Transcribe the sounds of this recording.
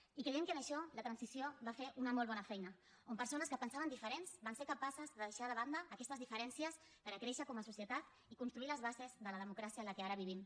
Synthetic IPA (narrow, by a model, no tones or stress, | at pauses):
ikɾejɛmkənəʃɔlət̪ɾənsisjoβafeɾʔunəmɔlˠβ̞ɔnəfɛjnə | ompəɾsonəskəpənsaβənd̪ifəɾensbanseɾkəpasəzðəðəʃaðəβand̪əːkɛst̪əzðifəɾɛnsiəs | pəɾəkɾeʃəkɔməsusjət̪at̪ | ikunst̪ɾuiləzβazezðələð̞əmukɾasiələkeaɾəβ̞iβim